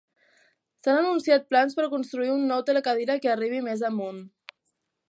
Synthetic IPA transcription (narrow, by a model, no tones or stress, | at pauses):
sanənunsiat̪̚planspəɾkunst̪ɾuiunːɔwt̪ələkaðiɾəkeəriβ̞imezəmun